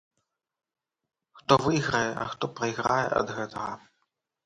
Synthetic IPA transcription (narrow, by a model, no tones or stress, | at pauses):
xt̪ɔvɨjɣɾɐjɛʔɐ̰xt̪ɔpɾɐjɣɾajɛ̰ʔɐ̰d̪ɣɛt̪ʰɐɣɐ̰